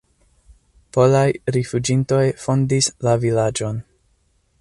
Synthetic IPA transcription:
po̞lajɾifud͡ʒinto̞jfo̞ndislavilad͡ʒo̞n

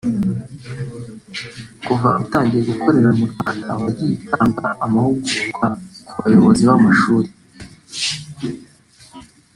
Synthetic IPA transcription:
kuvautaːɲɟije̞ɡukʰo̞ɾe̞ɾamuɾɡwaːndaːβaɾɟiitʰaːŋɡaamahuɡuukakuβajo̞βo̞ziβamaʃuːɾe

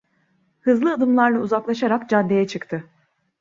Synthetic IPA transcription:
hɯzlˠɯad̪ɯmlˠaɾlˠauzaklˠaʃaɾakd͡ʒad̪ːe̞jɛt͡ʃʰɯkt̪ʰɯ

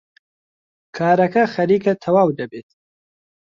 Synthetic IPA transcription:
kʰaːɾɐkɐxɐɾiːkɐt̪ʰɐwaːwd̪ɐbeːt̪̚

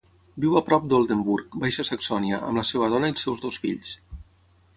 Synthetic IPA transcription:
biwəpɾɔp̚d̪olˠd̪embuɾkbajʃəsəksɔniəʔə̰mləseβəðɔnəilˠsɛwzðosfḭʎs

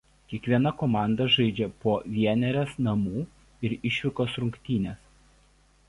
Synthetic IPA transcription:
kʲiɛkʋʲiɛnɐkoːmɑˑnd̪ɐʒɐɪd͡ʒʲɛpoːʋʲiɛnʲɛɾʲɛsnɐmuː | ɪɾɪʃʲʋʲɪkoːsɾʊŋʲkʲt̪ʲiːnʲes

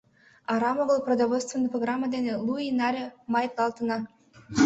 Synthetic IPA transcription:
ɑɾɑmoɡəlˠprod̪avolʲst̪vʲenːɨjproɡɾamːəd̪enʲelˠuinɑɾʲemɑjt̪lˠɑlˠt̪ənɑ

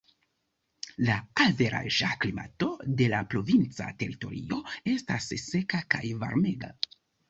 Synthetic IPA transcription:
laalve̞ɾʔa̰ʒaklima̰to̞de̞lapɾo̞vint͡sa̰te̞ɾito̞̰ɾḭo̞e̞stasse̞kakajva̰ɾme̞ɡa̰

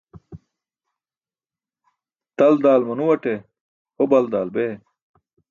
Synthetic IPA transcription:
t̪ɐld̪aːlmɐnuwɐʈe | hobɐld̪aːlbeː

